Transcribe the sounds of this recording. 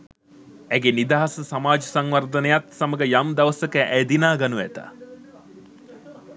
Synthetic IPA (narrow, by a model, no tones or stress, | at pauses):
æɡenid̪aɦasəsamaːd͡ʒəsaŋʋard̪ənəjat̪saməɡəjamd̪ɐʋəsəkəʔæjd̪inaːɡanuʋæt̪a̰